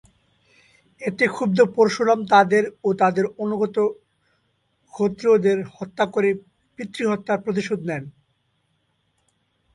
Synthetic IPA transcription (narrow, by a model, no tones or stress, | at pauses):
et̪ekʰub̚d̪opoɾʃolɔmt̪ad̪eɾot̪ad̪eɾonuɡɔt̪o | kʰot̪ːɾod̪eɾhɔt̪ːakoɾe | pɾit̪ːɾiɦɔt̪ːaɾpɾot̪̬iʃod̪nɛn